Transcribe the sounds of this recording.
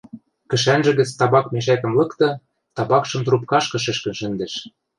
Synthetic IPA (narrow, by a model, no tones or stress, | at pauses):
kɘ̆ʃænʒɘ̆ɣɘ̆t͡st̪ɑβɑkmeʃækɘ̆mlɤ̆kt̪ɤ̆ | t̪ɑβɑkʃɤ̆mt̪rup̚kɑʃkɤ̆ʃɘ̆ʃkɘ̆nʃɘ̆nd̪ĕʃ